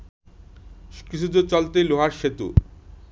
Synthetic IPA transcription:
kit͡ɕʰud͡ʑot͡ɕɔlt̪eloɦaɾʃet̪ṵ

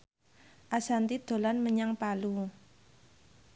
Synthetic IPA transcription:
ʔasant̪id̪̥o̤lanməɲaŋpalu

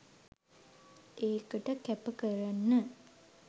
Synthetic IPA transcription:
ʔeːkəʈəkæpəkəɾanːə

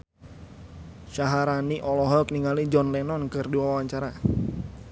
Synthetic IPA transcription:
ʃaɦaɾaniʔɔlɔɦɔk̚niŋalid͡ʒɔnlɛnɔnkɨrdiwawaɲt͡ʃaɾa

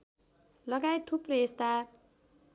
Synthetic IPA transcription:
lʌɡajt̪ʰupreest̪a

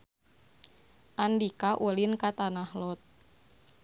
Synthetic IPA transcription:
ʔandikaʔulinkat̪anahlɔt̪̚

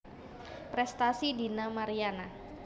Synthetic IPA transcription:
pɾɛst̪asidinamaɾiana

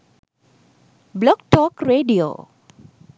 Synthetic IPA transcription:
blɔk̚tɔkreɖio̰

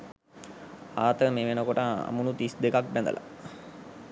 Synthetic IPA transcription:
aːt̪əmeːʋenəkoʈəa̰munut̪isd̪ekak̚bɛnd̪ə̰la̰

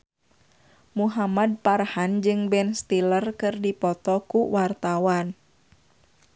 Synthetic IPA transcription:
muɦamad̚parhand͡ʒɨŋbɛnst̪ilərkɨrdipɔt̪ɔkuwart̪awan

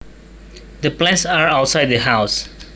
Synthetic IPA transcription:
d̪əplẽnsaɾaʊʈsaɪɖ̚d̪əɦaʊs

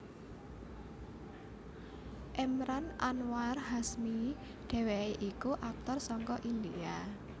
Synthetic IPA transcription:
ʔɛmɾanʔanwarɦasmi | ɖ̥e̤weʔikuʔak̚t̪ɔrsɔŋkɔʔind̪ia

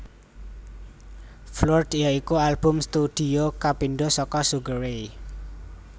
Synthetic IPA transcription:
flɔrd̪̥jaikualb̥ʊ̤mst̪ud̪̥i̤okapinɖosɔkɔsuɡəɾei

